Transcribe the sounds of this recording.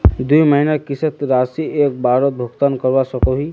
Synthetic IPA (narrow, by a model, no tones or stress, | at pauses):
d̪uiməɦinakisət̪ɾasiek̚baɾət̪̚bʱəɡt̪ankəɾbasəkoɦi